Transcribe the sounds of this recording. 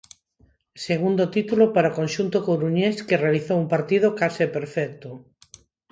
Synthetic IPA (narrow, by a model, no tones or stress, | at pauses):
seɣund̪ot̪it̪ulopaɾaokonʲʃunt̪okoɾuɲeskerealiθowumpaɾt̪ið̞okasepeɾfɛk̚t̪o